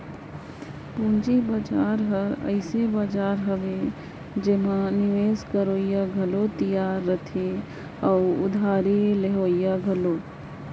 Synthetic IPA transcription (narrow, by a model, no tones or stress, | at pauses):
pũnd͡ʒibad͡ʒaːɾɦəɾə̰ɪsebad͡ʒaːɾɦəʋe | d͡ʒemãnɪʋeːskəɾoːjaɡʱəlot̪ijaːɾːət̪ʰe | əʊʊ̰d̪ʱaːɾeleɦoːijaɡʱəlo